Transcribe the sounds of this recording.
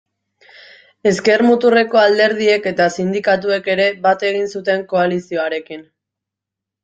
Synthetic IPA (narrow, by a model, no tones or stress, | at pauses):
e̞ske̞ɾmut̪ure̞ko̞ald̪e̞ɾð̞ie̞ke̞t̪asind̪ikat̪̬ue̞ke̞ɾe̞bat̪e̞ɣ̞insut̪e̞ŋko̞alisio̞aɾe̞kin